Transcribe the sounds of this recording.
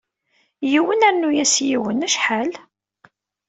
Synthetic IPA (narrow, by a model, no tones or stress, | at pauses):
jiwənæɾnujæsjiwənæʃħal